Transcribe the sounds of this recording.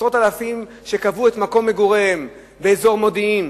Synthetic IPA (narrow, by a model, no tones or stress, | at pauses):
sʁo̞talafim | ʃe̞kavue̞t̪mako̞mːe̞ɡuʁem | be̞ːzo̞ʁmo̞diim